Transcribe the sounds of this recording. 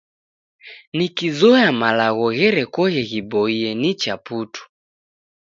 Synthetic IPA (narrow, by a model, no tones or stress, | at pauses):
nikizɔjamalaɣɔɣɛɾɛkɔɣɛɣibɔiɛnit͡ʃaputʰu̥